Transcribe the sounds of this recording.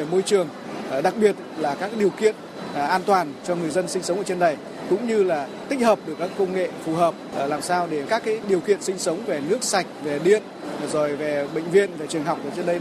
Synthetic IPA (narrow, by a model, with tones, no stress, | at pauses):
mo˧jt͡ɕɨ˨˩əŋ˩ | ɗa˨˩k̚ɓi˨˩ət̚laː˨˩kaː˦˥k̚ːɗi˨˩əwkḭ˧˨ən˩ | ʔaː˧nt̪waː˨˩nt͡ɕɔ˧ŋɨ˨˩əjzə˧nsï˧ŋ̟sə˨˦wŋ͡məː˧˩t͡ɕə˧nɗə˨˩j | kʊ̰˧˥ŋ͡mɲɨ˧laː˨˩t̪ï˦˥k̟̚həː˨˩p̚ɗɨ˨˩əkːaː˦˥kːə˧wŋ͡mŋḛ˧˨fu˨˩ɦəː˨˩p̚ːlaː˨˩msaː˧wɗe˧˩kaː˦˥kːaː˨˦jɗi˨˩əwkḭ˧˨ənsï˧ŋ̟sə˨˦wŋ͡mve˨˩nɨ˦˥ək̚sa˨˩jk̟̚ve˨˩ɗḭ˧˨ən | zo˨˩jve˨˩ɓḛ˧˨ŋ̟vḭ˧ənve˨˩t͡ɕɨ˨˩əŋɦa˨˩wk͡p̚ʔə̰ː˨˩t͡ɕə˧nɗə˧j